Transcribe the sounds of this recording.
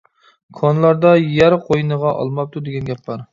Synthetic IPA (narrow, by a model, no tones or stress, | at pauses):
kʰɑnlˠɑɾd̪ɑjæɾqʰojnəʁɑʔɑ̰lˠmɑp̚t̪ʰud̪eɡʲɛnɡʲɛpbɑɾ